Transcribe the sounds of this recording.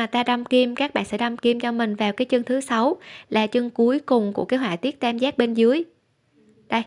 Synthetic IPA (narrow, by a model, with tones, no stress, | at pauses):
a˨˩t̪aː˧ɗa˧wmki˧mkaː˦˥k̚ɓa̰ː˧˨nsɛ̰˧˥ɗa˧wmki˧mt͡ɕɔ˧mï˨˩ŋ̟vaː˨˩wkaː˨˦jt͡ɕɨ˧əŋt̪ʰɨ˨˦sa˨˦wlaː˨˩t͡ɕɨ˧əŋku˨˦əjkʊ˨˩ŋ͡mku˧˩əkaː˨˦jɦwa̰˧˨jt̪i˦˥ət̚t̪aː˧mzaː˦˥ɓe˧nzɨ˨˦əj | ɗə˧˩j